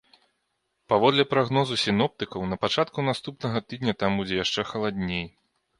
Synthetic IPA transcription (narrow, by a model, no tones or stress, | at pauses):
pavɔd̪lʲɛpɾaɣnɔzusʲinɔp̚t̪ɨkɐwnɐpat͡ʂat̪kunast̪upnɐɣɐt̪ɨd̪̚ʲnʲɐt̪ambud͡zʲɛjaʂt͡ʂɛxɐlˠad̪ʲnʲej